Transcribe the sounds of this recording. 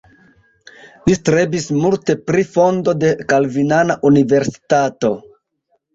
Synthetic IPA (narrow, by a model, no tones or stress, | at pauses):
listɾe̞bismulte̞pɾifo̞ndo̞de̞kalvinanaʔunive̞ɾsi̥tato̞